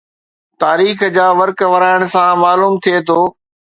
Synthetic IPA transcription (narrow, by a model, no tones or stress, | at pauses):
t̪aːɾiːxd͡ʑaːʋɐɾkʋɐɾaːɪɽ̃sãmaːluːmt̪ʰiet̪ʰoː